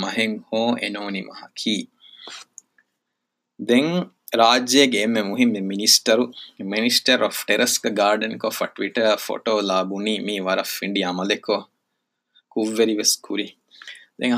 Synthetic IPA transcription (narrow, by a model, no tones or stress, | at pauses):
mɐɦeŋhoːḛnoːnimɐ̰hɐkʰiː | d̪eŋ | ɾaːd͡ʒeːɡeːmːemuɦimːeminisʈɐɾuminisʈɐɾofʈeɾʔɐskɡaːɾɖenkofɐʈʋiʈɐfo̰ʈoːlaːbuniːmiːʋɐɾɐfːiɳɖiɐmɐleko | kuʋːeɾiʋeskʰuɾi | d̪eŋ